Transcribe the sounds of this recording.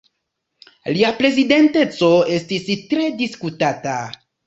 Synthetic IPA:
liapɾe̞zide̞nte̞t͡so̞e̞stistɾe̞diskutata

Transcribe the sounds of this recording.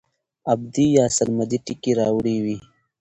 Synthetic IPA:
ɐbd̪ijaːsɐɾmɐd̪iʈikiɾaːwɽiwi

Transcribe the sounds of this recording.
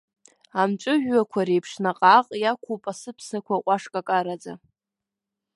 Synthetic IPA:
amt͡ʃʷʼʊʒᶣːakʷʰaɾejpʰʂnaqʼaqʼjakʷʰopʼasɨpʰsakʷʰaqʷʼaʂkʼakʼaɾad͡za̰

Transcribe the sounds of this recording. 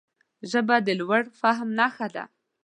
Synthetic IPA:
ʒəbad̪əlwaɽfaɦmnɑxad̪a̰

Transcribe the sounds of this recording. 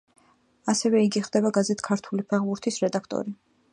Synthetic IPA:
asɛvɛiɡiχd̪ɛbaɡazɛt̪ʰkʰaɾt̪ʰulipʰaʁbuɾt̪ʰisɾɛd̪akʰt̪ʼɔ̰ɾi

